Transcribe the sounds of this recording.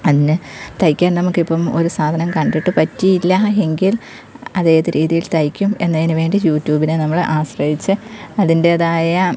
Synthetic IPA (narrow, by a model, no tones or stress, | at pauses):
ɐðinɨt̪ɐjkʲːaːnnɐmukːipːɐmo̞̰ɾusaːd̪ʱɐnɐmkɐɳɖiʈːɨpɐtːijilːɐe̞ŋɡil | ɐdðeːɐðɨɾʔiːðijilt̪ɐjkʲːume̞nːeðinɨʋe̞ːɳɖijuːtːjuːbinɨnɐmːɐɭʔaːɕrɐɦit͡ɕːɨɐðinde̞ðaːjɐ